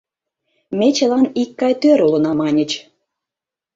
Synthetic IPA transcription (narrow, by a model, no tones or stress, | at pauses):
mʲet͡ɕə̆lɑnikːɑjt̪øɾulə̆nɑmɑnʲə̆t͡ɕ